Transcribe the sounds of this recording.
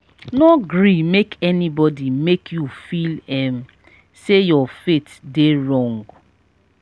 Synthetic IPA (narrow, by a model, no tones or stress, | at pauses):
nɔɡɾimekɛnibɔdimekʰjufilɛm̩ | sejɔfetdeɹɔ̃ŋɡ